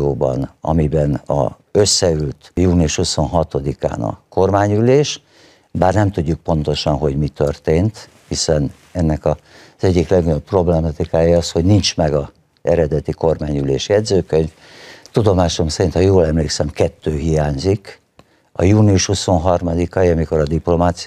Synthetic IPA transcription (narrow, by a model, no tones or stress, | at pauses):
oːbɒ̰nɒ̰mibɛnɒ̰ | ø̞sːɛylt̪juːniuʃhuso̞nɦɒt̪o̞d̪ika̰ːnɒ̰ko̞rmaːɲyleːʃ | baːrnɛmt̪uɟːuk̚po̞nt̪o̞ʃɒnɦo̞ɟmit̪ørt̪eːnt̪ | hisɛn | ɛnːɛkɒ | z̥ɛɟːiklɛɡɡoɲo̞ppro̞blɛmɒt̪ikaːjiɒsho̞ɟnint͡ʃmɛɡɒ | ɛɾɛd̪ɛt̪iko̞rmaːɲylḛːʃjɛd̪zøːkøɲf | t̪ud̪o̞maːʃo̞msɛɾint̪hɒjoːlɛmleːksɛmkɛt̪ːøːɦijaːɲzik | ɒjuːniuʃhuso̞nɦɒrmɒd̪ikɒjiɒmiko̞ɾɒd̪iplo̞maːt̪s